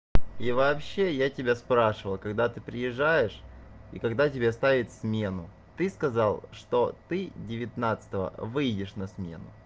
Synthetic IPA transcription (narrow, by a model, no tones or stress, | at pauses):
ivɐːpɕːe̞jatʲɪbʲaspɾaʂɨvəlˠkɐɡd̪at̪ɨpɾʲɪjɪʐːajɪʂḭkɐɡd̪atʲɪbʲest̪avʲɪt̪ʲsmʲe̞nʊ | t̪ɨskɐzalˠʂt̪ot̪ɨdʲɪvʲɪt̪nat̪sɨ̥t̪əvə̰vɨjdʲɪʂnɐsmʲe̞̰nʊ